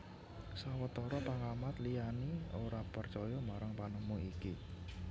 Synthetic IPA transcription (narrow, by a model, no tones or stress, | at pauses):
sawət̪oɾɔpaŋamat̪lijanioɾapərt͡ʃɔjɔmaɾaŋpanəmuiki